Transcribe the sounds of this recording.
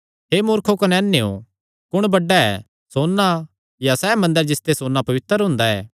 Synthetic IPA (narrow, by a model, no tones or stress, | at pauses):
ɦemʊːɾkʰokɐnɛːnːeo̰ | kʊɽ̃bɐɖːaɛ̰ | soːnːa | jasɛːmɐ̃nd̪əɾd͡ʒɪst̪esoːnːapɐʋɪt̪ːəɾɦʊ̃nd̪aɛ̰ː